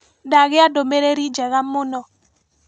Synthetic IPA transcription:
daɣɪadomeɾeɾid͡ʒɛɣamʊnɔ

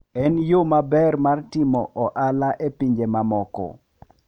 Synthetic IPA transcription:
ɛnjomabɛrmartɪmɔʔɔʔalaʔepiɲd͡ʒemamɔkɔ̰

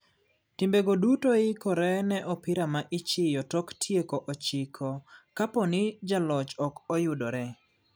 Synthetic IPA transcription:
tɪmbeɡodutoɪkɔɾɛnɛʔɔpɪɾamaʔɪt͡ʃɪjɔtɔktʰjekoʔɔt͡ʃɪkʰɔkapɔnɪd͡ʒalɔt͡ʃɔkɔjʊdɔɾɛ

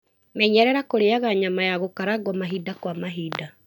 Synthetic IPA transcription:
mɛɲɛɾɛɾakoɾeaɣaɲamajaɣokaɾaɡwɔmaɦidakwamaɦiːda

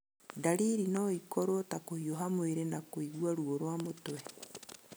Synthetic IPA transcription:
daɾiɾinɔikɔɾotakohioɦamweɾenakoiɣwaɾuoɾwamotwɛ

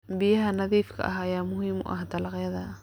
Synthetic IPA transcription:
bɪjɐɦɐnɐðiːfkʰɐ̰ʔɐɦɐjaːmʊɦiːmʊ̰ʔɐ̰hd̪ɐlɑqjɐðɐ

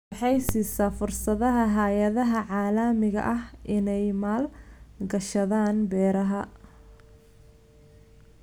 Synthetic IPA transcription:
ħɑjsiːsaːfʊrsɐðɐɦɐɦaːjɐðɐɦɐʕɑːlɐmɪɣɐ̰ʔɐhʔɪnɛjmaːlɡɐʃɐðaːnbɛːɾɐɦɐ

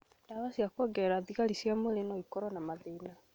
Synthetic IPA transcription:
ndaβasiakwɔɡɛɾaðiɣalisjamolenɔikɔɾɔnamaðena

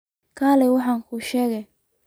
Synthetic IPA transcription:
kʰaːlɛwɑħɑːŋkʰʊʃɛːɣɛ

